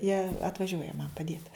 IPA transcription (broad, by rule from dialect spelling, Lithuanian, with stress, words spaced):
jiɛ ɐtʋɐˈʒʲuɔjɛ mɐn pɐˈdʲiɛt